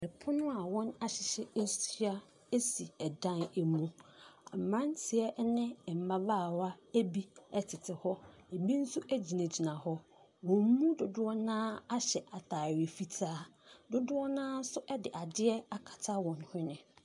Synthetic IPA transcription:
ɛ˨pʰʊ˦nʊ̃˦a˨wɔ̃˦na˦ɕɪ˨ɕɛ˦sa˦ | e˦si˨ɛ˨dã˦næ˨mũ˦a˨m̩˨mã˦ntʰɪ˨ɛ˦nɪ̃˦˨m̩˨mã˦ba˦˨wa˦æ˦bi˦ɛ˦tʰɪ˨tʰɪ˨hɔ˦æ˨bi˦n̩˦su˦ʔæ˦d͡ʑi˨nã˨d͡ʑi˨nã˨hɔ˦ | wɔ̃˨m˦mũ˦dʊ˨dʊ˦ɔ˦nãː˦a˦ɕɛ˨ʔa˨tʰaː˨ɥe˨fi˦tʰaː˦dʊ˦dʊ˦ɔ˦nãː˦n̩˦sʊ˦ʔɛ˦dɪ˨ʔa˨dɪ˦ɛ˦a˦kʰḁ˨tʰa˦wɔ̃˨nhʊ̃˦nɪ̃˨

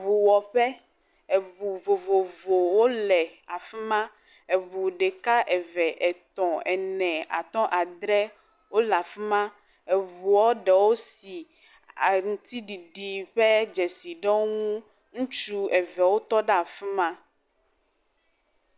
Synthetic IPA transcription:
βu˨wɔ˨ɸɛ˦ | ɛ˨vu˨vo˨vo˨vo˨wo˦lɛ˨a˨fi˦mã˦ | ɛ˨vu˨ɖɛ˨ka˦ʔɛ˨vɛ˨ʔɛ˨t̪ɔ̃˨ɛ˨nɛ̃˨a̰˨t̪ɔ̃˦ʔa˨d̪ɾɛ˦ | wo˦la˨fi˦mã˦ | ɛ˨βu˨wɔ˦ɖɛ˨wo˦si˨ | a˨ŋu˨t̪i˦ɖi˨ɖi˨ɸɛ˦d͡ʒɛ˨si˨ɖɔ˦ŋũ˦ | ŋũ˦t͡ʃu˦ɛ˨vɛ˨wo˦t̪ɔ˦ɖa˦˨fi˦mã˦

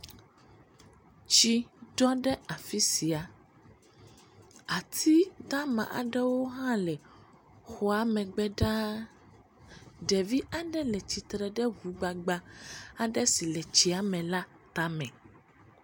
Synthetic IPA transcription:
t͡ɕi˦ɖɔ˦ɖɛ˦a˨fi˦si˨a˨ | a˨t̪ʰi˦d̪a˦mã̰˨ʔa̰˨ɖɛ˦wo˦ɦã˦lɛ˨ | xɔ˨˦a˨mɛ̃˨ɡ͡bɛ˦ɖa˦ | ɖɛ˨vi˦ʔa˨ɖɛ˦lɛ˨t͡ɕi˨t̪ɾɛ˨ɖɛ˦vu˨ɡ͡ba˨ɡ͡ba˦a˨ɖɛ˦si˨lɛ˨t͡ɕi˨a˨mɛ̃˨la˦ | t̪a˦mɛ̃˨

